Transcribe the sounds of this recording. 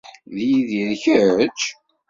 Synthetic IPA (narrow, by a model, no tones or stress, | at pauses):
ðjiðiðçəɾt͡ʃ